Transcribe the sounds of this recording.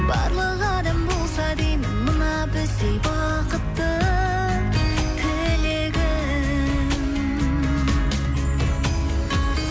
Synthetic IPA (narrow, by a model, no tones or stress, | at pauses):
bɑ̰ɾlˠəʁɑd̪əmbolˠsɑd̪ejmɪnmənɑbɪzd̪ejbɑ | qət̪ːə | t̪ʰɪleɡʲɪ